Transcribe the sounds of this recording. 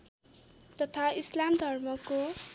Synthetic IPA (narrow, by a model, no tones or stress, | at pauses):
t̪ʌt̪ʰaislamd̪ʱʌrmʌko